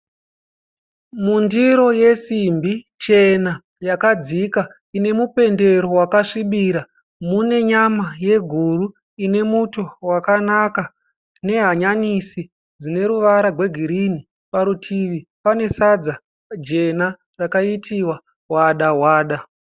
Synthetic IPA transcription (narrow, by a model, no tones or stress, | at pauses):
mundiɾo̞je̞simbi | t͡ʃe̞na | jakad͡zika | ine̞mupe̞nde̞ɾo̞wakaʂiɓiɾa | mune̞ɲamaje̞ɡʱuru | ine̞muto̞wakanaka | ne̞ɦaɲanisi | d͡zine̞ɾuʋaɾaɡʱwe̞ɡʱiɾini | paɾutʰiʋipane̞sad͡za | d͡ʒe̞na | rakaitiwa | ɦwaɗaɦwaːɗa